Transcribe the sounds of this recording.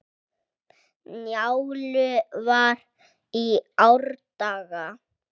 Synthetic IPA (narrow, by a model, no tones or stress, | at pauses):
njawlʏvaɾ | iawɾt̪aːɣa